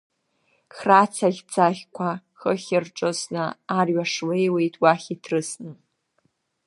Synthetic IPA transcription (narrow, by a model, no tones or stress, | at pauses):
χrat͡sʰaɮʲt͡sʰʼaχʲkʷʰa | χəχʲɪrʈ͡ʂʼosnɨːrɥaʂwejwe̞jtʼwaχʲitʰrɨsnɨ